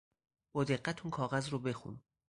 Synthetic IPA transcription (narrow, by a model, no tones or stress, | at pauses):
boːd̪e̞ɢːæt̪ʰunkʰɒːɣæzɾobe̞xṵn